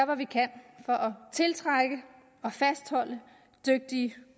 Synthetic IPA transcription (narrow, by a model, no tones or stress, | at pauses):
bɐʋikʰæn̰fɒ̽ʔɒt͡sʰe̝lt͡sʰʁaɡ̥ə | ɒ̽fæsd̥hɒ̽l̰ə | d̥øɡ̥̚d̥iə